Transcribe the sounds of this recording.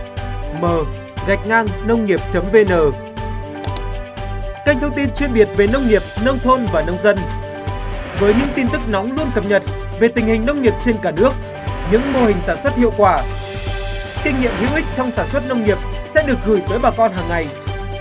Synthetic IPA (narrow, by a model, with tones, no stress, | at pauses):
məː˨˩ | ɣa˨˩jk̟̚ŋaː˧ŋnə˧wŋ͡mŋi˨˩əp̚t͡ɕə˨˦mve˧nəː˨˩ | ka˧ŋ̟t̪ʰwŋ͡mt̪i˧nt͡ɕwi˧ənɓi˨˩ət̚ve˨˩nə˧wŋ͡mŋi˨˩əp̚nə˧wŋ͡mt̪ʰo˧nvaː˨˩nə˧wŋ͡mzə˧n | vəː˨˦jɲɨ̰˧˥ŋt̪i˧nt̪ɨ˦˥k̚nɔ˨˦wŋ͡mlu˧ənkə˨˩p̚ɲə˨˩t̚ | ve˨˩t̪ï˨˩ŋ̟hï˨˩ŋ̟nə˧wŋ͡mŋi˨˩əp̚t͡ɕe˧nkaː˧˩nɨ˦˥ək̚ | ɲɨ̰˧˥ŋmo˧hï˨˩ŋ̟saː˧˩nswə˦˥t̚hḭ˧˨əwkwaː˧˩ | kï˧ŋ̟ŋḭ˧˨əmhḭ˧˥əwʔï˦˥k̟̚t͡ɕɔ˧wŋ͡msaː˧˩nswə˦˥t̚nə˧wŋ͡mŋi˨˩əp̚sɛ̰˧˥ɗɨ˨˩ək̚ɣɨ˧˩jt̪əː˨˦jɓaː˨˩kɔ˧nɦaː˨˩ŋːa˨˩j